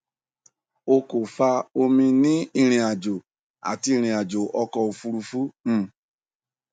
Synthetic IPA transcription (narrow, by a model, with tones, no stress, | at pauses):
o˧ko˨fa˧o˧mĩ˧nĩ˦i˦˧ɾ̃ĩ˨a˨d͡ʒo˨ | a̰˨ti˧i˧ɾ̃ĩ˨a˨d͡ʒo˨ʔɔ˧kɔ˨o˨fu˧ɾu˧fũ˦˨